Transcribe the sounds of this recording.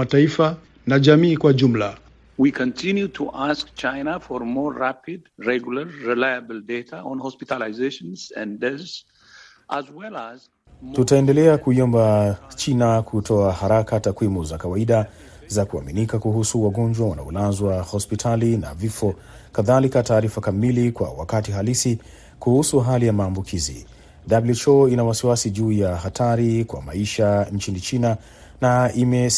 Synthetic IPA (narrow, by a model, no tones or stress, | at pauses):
ataifa | naʄamiːkwaʄum̩la | wikʰɔ̃ntʰinjutʰuʔaskt͡ʃajnafɔɾmɔɾːapidɹɛɡulaɾːilajabldetʰaɔ̃nhɔspitalaɪzeʃɔ̃nsɛ̰̃ndɛz | ʔazwɛlaz | tutaɛndɛlɛakuiɔmbat͡ʃinakʰutʰɔahaɾakatakwimuzakawaiɗa | zakua̰minikakuhusuwaɡɔnd͡ʒwawana̰ɔlazwahɔspitʰalina̰vifɔ | kaðalikataːɾifakamilikwa̰wa̰katiɦalisi | kuhusuɦalijamaːmbukʰizḭ | dablut͡ʃɔinawasiwasiʄuːjaɦatʰaɾikwa̰ma̰iʃant͡ʃinit͡ʃina | naimɛ